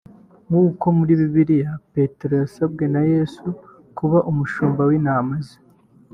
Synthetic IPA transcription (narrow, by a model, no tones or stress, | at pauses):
ŋɡuːko̞muɾiβiβiɾijape̞teɾojasab̚ɡe̞naje̞su | kuβaʔumuʃuːmbawinaːmazi̥